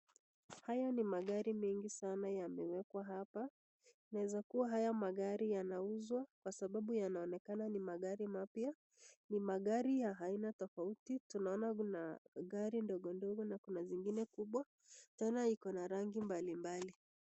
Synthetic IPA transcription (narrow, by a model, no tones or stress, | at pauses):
hajɔnimaɠaɾimɛŋɡisanajamɛwɛkwaɦapa | naɛzakuwaɦajamaɠaɾijanauzwakwasaɓaɓujanaɔnɛkananimaɠaɾimapja | nimaɠaɾijaɦainatɔfautitunaɔnakunaɠaɾindɔɠɔndɔɡɔnakunaziŋɡinɛkuɓwa | tuaɔnaikɔnaɾaŋɡimbalimbali